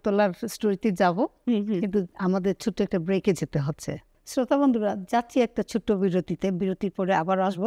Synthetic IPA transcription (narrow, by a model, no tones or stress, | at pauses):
t̪olaɾsʈoɾit̪id͡ʑaboint̪̬uamad̪eɾt͡ɕʰuʈːoɛk̚ʈabɾeked͡ʑet̪eɦotːɕʰḛ | sɾot̪aβond̪ʱuɾad͡ʑat̪ːɕʰiɛk̚ʈat͡ɕʰuʈːobiɾot̪it̪ebiɾot̪iɾpɔɾeabaɾaʃbo